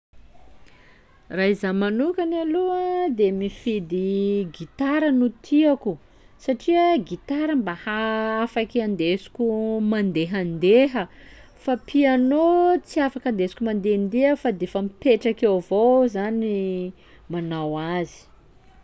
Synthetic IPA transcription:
raizamanukanaluəd̪emifid̪iɡit̪aɾənut̪ʰiaku | saʈ͡ʂiəɡit̪aɾəmbahaafakiand̪esu̥kʲumand̪eɦand̪eɦəfapʰianot͡siafakand̪esi̥kʲumand̪end̪eɦəfad̪efamipeʈ͡ʂakewvozani | manawazi̥

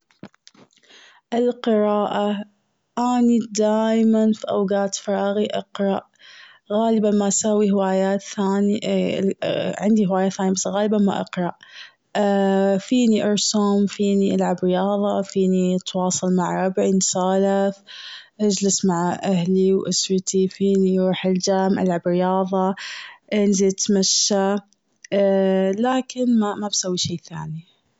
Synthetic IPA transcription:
ʔɪlqɨɾaːʔa | ʔaːnid̪aːjmanfiʔawɡaːt̪fɾˤɑːɣiʔɑqɾˤɑʔ | ɣaːlɪbanmaʔsawːihwaːjaːt̪θaːniʔ | ʕɪnd̪ihwaːjaθaːnjabasɣaːlbanma̰ʔɑ̰qɾˤɑʔ | fiːniʔɑɾˤsʊmfiːniʔalʕabɾɪjɑːðˤɑfiːnit̪wɑːsˤɑlmaʕɾˤɑbʕinsaːlɪθ | ʔad͡ʒlɪsmaʕʔahliwʔɪsɾt̪ifiːnijɾuːħɪld͡ʒaːmʔa̰lʕabɾɪjɑːðˤɑʔɪnzilt̪maʃːa | laːkɪnmamabsawːiʃeːθa̰ːni

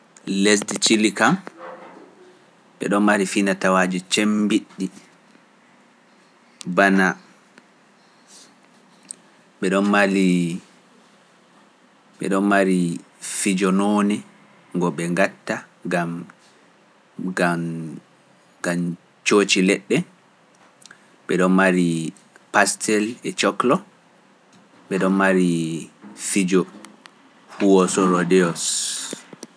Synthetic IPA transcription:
lesdit͡ʃilikam | ɓɛ̰ɗɔnmaɾifinatawaːd͡ʒit͡ʃembiɗːi | bana | ɓɛɗɔnmali | ɓɛ̰ɗɔnmaɾi | fid͡ʒɔnoːni | ŋɡɔɓɛŋɡatːaɡam | ɡa | ɡ̥am | t͡ʃoːt͡ʃilɛɗːɛ | ɓɛɗɔnmaɾi | pastʰɛlɛt͡ʃɔklɔ | ɓɛɗɔnmaɾi | fid͡ʒɔ | huwɔsɔɾɔdɛɔs

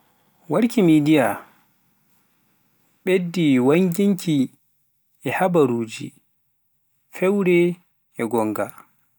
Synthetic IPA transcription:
waɾkimidija | ɓedːiwaŋɡiŋkʰi | ɛhabaɾuːd͡ʒḭ | fɛwɾɛ | ɛɡɔŋɡa

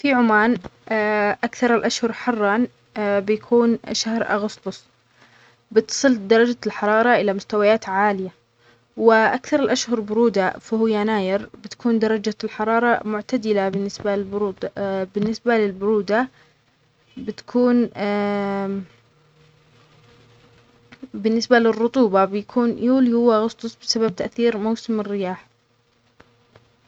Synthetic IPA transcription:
fiʕʊmaːn | ʔakθɑɾˤɪlʔaʃhʊɾˤħɑrˤːɑn | bɪjakʰuːnʃahɾʔa̰ɣʊst̪ˤʊsˤ | bɪt̪sˤɨld̪ɑɾˤɑd͡ʒalħɑɾˤɑːɾˤɑʔɪlamʊst̪awajaːt̪ʕaːlɪja | wɪʔakθɑɾˤɪlʔaʃhʊɾˤbʊɾuːd̪afahʊjanaːjɪɾbɪt̪ḁkuːnd̪ɑɾˤɑd͡ʒalħɑɾˤɑːɾˤɑmʊʕt̪ad̪ɪlabɪnːɪsbaɪbɾuːd̪bɪnːɪsbalɪlbʊɾuːd̪a | bɪt̪ḁkʰuːn | bɪnːɪsbalɪrːʊt̪ˤuːbɑbjakʰuːnjuːljʊwːaɣʊst̪ˤʊsˤbɪsabab̚t̪aʔθiːɾmawsɪmɪrːɪjaːħ

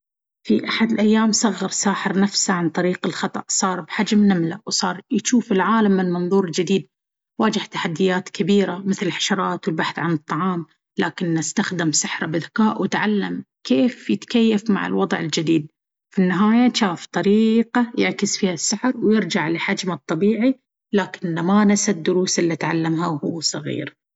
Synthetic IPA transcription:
fiʔaħad̪ɪlʔajːaːmsˤɑɣːɑɾˤsaːħɪɾnafsaʕant̪ˤɑɾiːqɪlxɑt̪ˤɑ̰ʔsˤɑːɾˤbħad͡ʒmnamlawsˤɑːɾˤjʃuːfɪlʕaːlamːɪnmɑnðˤuːɾɪld͡ʒɪd̪iːd̪̚ | waːd͡ʒɪht̪aħad̪ːɪjaːt̪kʰabiːɾamɪθlɪlħḁʃɑɾˤɑːt̪wɪlbaħθʕanɨt̪ˤːɑʕɑːm | laːkɪnːast̪axd̪ɪmsɪħɾˤɑbɪðakaːʔwɪt̪ʕalːam | keːfjɪt̪kajːafma̰ʕɪ̰lwɑd̪ˤʕɪ̰ld͡ʒɪd̪iːd̪̚ | finːɪɦaːjaʃaːft̪ˤɑɾiːqajɪʕkɪsfiːhasːaħɾwjɪɾd͡ʒaʕlɪħad͡ʒmat̪ˤːɑbiːʕi | laːkɪnːamanasad̪ːʊɾuːsʔɪlːit̪ʕalːamhawhʊwːsˤɨɣḭːɾ

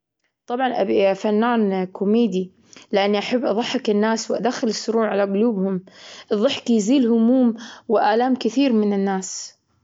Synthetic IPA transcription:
t̪ˤɑbʕɑnʔa̰fanːaːnkʊmeːd̪i | lɪʔanːiʔaħabːʔɑðˤɑħːɪkɪnːaːswɪʔad̪axɪlɪsːʊɾuːʕʕalaɡʊluːbhʊmʔɨðˤːɑħkijziːlhʊmuːmwɪʔaːlaːmkɪθiːɾmɪnɪnːaːs

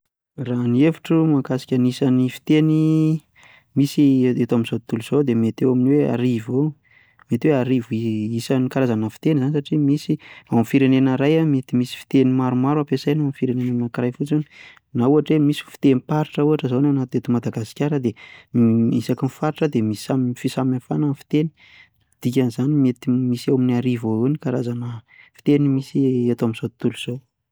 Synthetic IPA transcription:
ranefiʈ͡ʂumakasi̥kʲanisanifi̥t̪eni | misiet̪aminzoit̪uluz̥od̪emet̪ewaminwea̰ɾivo | met̪iweaɾiviisanikaɾazanafi̥t̪enizanisaʈ͡ʂimisiawmfiɾenenəɾajamet̪imisi̥fi̥t̪enimaɾumaɾuapesajnaamfiɾenenanakrajfut͡sini̥ | nauaʈ͡ʂemisi̥fi̥t̪enipaɾiʈ͡ʂəuaʈ͡ʂəzownawnat̪ud̪et̪umad̪aɡasi̥kʲaɾəd̪e | isakinfaɾiʈ͡ʂəd̪emisamfisaminafanənfi̥t̪eni̥ | d̪̥ikʲanizanimet̪imisawminiaɾivounikaɾazanəfi̥t̪enimisiet̪oaminzot̪uluz̥ow

